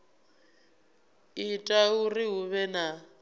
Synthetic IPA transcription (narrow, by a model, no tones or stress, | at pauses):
itʼauriɦuβɛna